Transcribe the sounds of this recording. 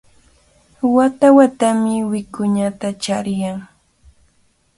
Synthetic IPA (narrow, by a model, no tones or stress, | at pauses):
wat̪awat̪amɪwɪkʊɲat̪at͡ʃaɾjaŋ